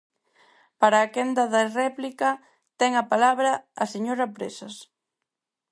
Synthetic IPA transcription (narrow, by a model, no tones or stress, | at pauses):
paɾaːkɛnd̪ɐðɐrɛplikɐ | t̪ɛŋɐpalaβɾɐːseɲoɾɐpɾesɐs